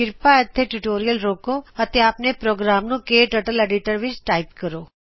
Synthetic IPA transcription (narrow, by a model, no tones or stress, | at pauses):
ɪɾpaət̪ʰːeʈuʈoːɾijəlɾoːkoət̪ʰeaːpnepɾoːɡɾaːmnũkeːʈəʈəleːɖiʈəɾʋɪt͡ʃʈaipkəɾoː